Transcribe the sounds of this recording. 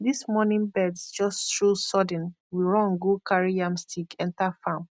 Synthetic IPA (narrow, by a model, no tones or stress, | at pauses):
ðismɔnĩnbɛdsd͡ʒɔsttɹosɔd̃n̩ | wiɹɔ̃nɡokʰaɹijãmstʰikɛ̃ntafãm